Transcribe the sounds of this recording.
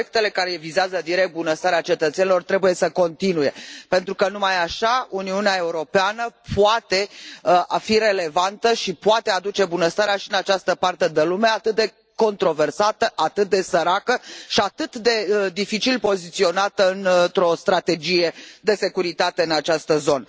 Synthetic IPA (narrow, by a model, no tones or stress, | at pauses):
ek̚t̪e̞le̞kaɾevizeazəd̪iɾe̞k̚t̪̚bunəst̪aɾeat͡ʃe̞t̪ət̪senilo̞rt̪ɾe̞buje̞səko̞nt̪inuje̞pe̞nt̪ɾukənumajaʃauniuneae̞uɾo̞peanəpuat̪e̞afire̞le̞vant̪əʃipuat̪e̞ad̪ut͡ʃe̞bunəst̪aɾeaʃiɨnat͡ʃast̪əpart̪e̞d̪elume̞at̪ɨt̪̚d̪e̞ | ko̞nt̪ɾo̞ve̞rsat̪əʔat̪ɨt̪̚d̪e̞səɾakəʃiat̪ɨt̪d̪e̞d̪ifit͡ʃilpo̞zit̪sio̞nat̪əɨnt̪ɾo̞st̪ɾat̪e̞d͡ʒije̞d̪e̞se̞kuɾit̪at̪e̞ɨnat͡ʃast̪əzo̞nə